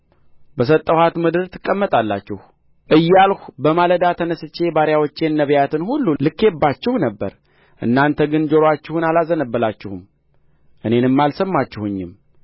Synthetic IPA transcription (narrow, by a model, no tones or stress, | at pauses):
bəs̬ət̪ʼːəwhat̪mɨd̪ɨɾt̪ʰɨ̥kʼːəmːət̪ʼalːat͡ʃːɪh | ʔɨjːalhubəmaləd̪at̪ʰənəsɨt͡ʃːe̞baɾjawot͡ʃːe̞nːəβjat̪ʰɨnhulːulɨkːe̞bːat͡ʃːɪhunəbːə̰ɾ | ʔɨ̰nːant̪ʰəɡɨnd͡ʒoɾat͡ʃːɪhunalazənəbːəlat͡ʃːɪhum | ʔɨne̞nɨmːalsəmːat͡ʃːɪhuɲːɪm